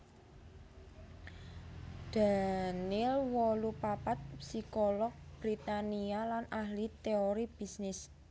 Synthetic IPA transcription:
d̪̥a̤nɪlwɔlupapat̪̚psikɔlɔk̚b̥ɾit̪anialanahlit̪eoɾib̥i̤snɪs

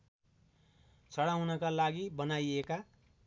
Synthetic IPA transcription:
t͡sʰʌɽawnʌkalaɡibʌnajeka

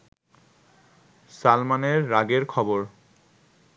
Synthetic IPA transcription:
salmaneɹːaɡeɹkʰɔboɹ

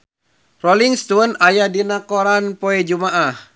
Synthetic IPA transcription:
roliŋst̪uənajadinakoɾanpoɛd͡ʒumaʔah

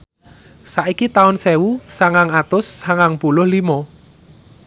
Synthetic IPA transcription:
saʔikit̪aʊnsɛwusaŋaŋat̪ʊsːaŋaŋpulʊhlimɔ

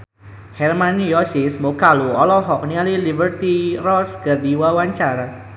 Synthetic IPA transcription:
hɛrmanjɔsismokaluɔlɔɦɔk̚nialilibərt̪irɔskərdiwawaɲt͡ʃaɾa

